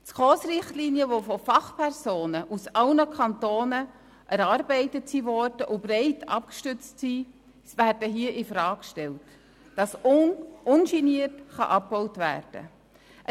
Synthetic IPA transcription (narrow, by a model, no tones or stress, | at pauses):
t͡skoːsrɪχtliniəʋofɔfɑχpʰɛrsoːnəʔusɑlnəkʰɑntoːnə | ʔæɾɑɾbɛɪtətsiʋɔɾd̥əʔʊb̥ɾɛɪtɑ̰p̚kʃtʏt͡stsi | svæːɾdəɦiəʔɪfɾɑːkʃtɛlt | d̥ɑsʊnʔʊnʃiniətχɑ̰ʔɑp̚bɔwtvæ̰ːrd̥ə̰ | ʔə